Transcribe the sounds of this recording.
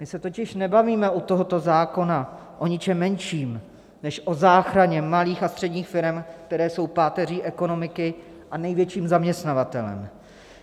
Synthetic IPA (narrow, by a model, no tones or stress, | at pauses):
mɪsɛt̪o̞cɪʃnɛbaviːmɛʔut̪o̞ɦo̞t̪o̞zaːko̞na | ʔo̞ɲɪt͡ʃɛmːɛnʃiːm | nɛʃʔo̞zaːxɾaɲɛmaliːxast̪r̥ɛdɲiːxfɪɾɛmk̚t̪ɛɾɛːso̞wpaːt̪ɛr̝iːʔɛko̞no̞mɪkɪ | ʔanɛjvjɛt͡ʃiːmzamɲɛst̪navat̪ɛlɛ̰m